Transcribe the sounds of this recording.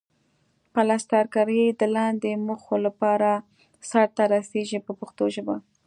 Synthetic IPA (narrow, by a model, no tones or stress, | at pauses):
palast̪aɾkaɾəjd̪əlɑnd̪eməxolapɑɾa | saɾt̪aɾaseʒipəpəxt̪oʒəba